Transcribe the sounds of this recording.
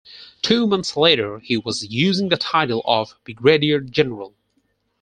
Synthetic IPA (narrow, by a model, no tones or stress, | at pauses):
tʰʉːmʌ̃nθsleɾə˞hiwʌzjʉzɪ̃ŋðətʰaɪɾl̩ˠʌvbiɡɹeɾiə˞d͡ʒɛnə˞əl̩ˠ